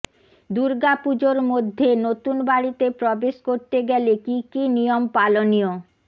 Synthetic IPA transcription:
d̪uɾɡapud͡ʑoɾmod̪ʱːenot̪unbaɽit̪epɾɔbeʃkoɾt̪eɡɛlekikinijompalonijo

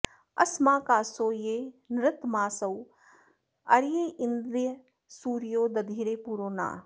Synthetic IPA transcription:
ɐ̰smaːkaːsoːjeːnɾɪt̪maːsɐw | ɐɾjeːʔɪnd̪ɾijə | suːɾijoːd̪ɐd̪ʱiːɾeːpuːɾoːna̰ː

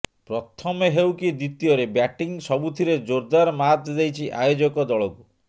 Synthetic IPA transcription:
pɾɔt̪ʰɔmeɦewkid̪it̪ijɔɾebjaʈiŋsɔbut̪ʰiɾed͡ʒoɾd̪aɾɔmat̪d̪ejt͡ʃʰiʔajod͡ʒɔkɔd̪ɔɭɔku

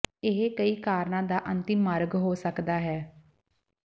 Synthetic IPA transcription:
ɪɦekəiːkaːɾnãːd̪aːʔənt̪ɪmːəɾɡɦoːsəkd̪aːɦɛː

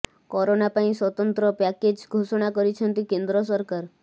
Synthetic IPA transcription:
kɔɾonapaĩswɔt̪ɔnt̪ɾɔpɛked͡ʒɡʱoʃɔɽ̃akɔɾit͡ʃʰənt̪ikend̪ɾɔs̬ɔɾkaɾ

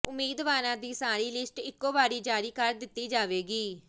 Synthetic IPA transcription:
ʊmːiːd̪ʋaːɾãːd̪iːsaːɾiːlɪsʈɪkːoːbaːɽiːd͡ʒaːɾiːkəɾd̪ɪt̪ːiːd͡ʒaːʋeːɡiː

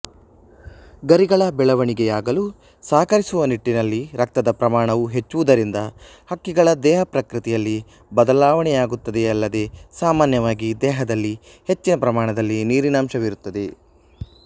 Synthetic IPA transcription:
ɡɐɾiɡɐɭɐbɛɭɐʋɐɳiɡɛjaːɡɐlu | saːkɐɾisuʋɐniʈːinɐlːiɾɐk̚t̪ɐd̪ɐpɾɐmaːɳɐʋuɦe̞t͡ʃːuʋud̪ɐɾind̪ɐ | hɐkːiɡɐɭɐd̪ɛːɦɐpɾɐkɾɨt̪ɛjɐlːi | bɐd̪ɐlaːʋɐɳɛjaːɡut̪ːɐd̪eɐlːɐd̪e̞saːmaːnjɐʋaːɡid̪ɛːɦɐd̪ɐlːi | he̞t͡ʃːinɐpɾɐmaːɳɐd̪ɐlːiniːɾinaːmʃɐʋiɾut̪ːɐd̪e̞

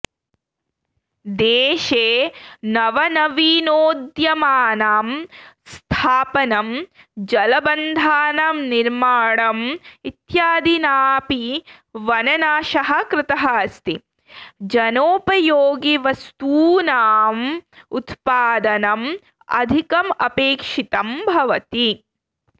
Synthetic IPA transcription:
d̪eːʃeːnɐʋɐnɐʋinoːd̪jɐmaːnaːmst̪ʰaːpɐnɐm | d͡ʒɐlɐbɐnd̪ʱaːnɐmniɾmaːɳɐmit̪jaːd̪inaːpiʋɐnɐnaːʃɐɦɐ̆kɾɪt̪ɐɦɐst̪i | d͡ʒɐnoːpɐjoːɡiʋɐst̪uːnaːmut̪paːd̪ɐnɐm | ɐ̰d̪ʱikɐmɐpeːkʂit̪ɐmbʱɐʋɐt̪i

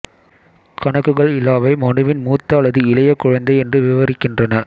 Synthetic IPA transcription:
kɐɳɐkːɯɣɐɭɪlːaːʋɐɪmɐɳɯʋɪnmuːt̪ːaːɭɐðɯɪlɐjɐkːʊɻɐnd̪ɐɪɛndrɯʋɪʋɐɾɪkːɪndrɐnɐ

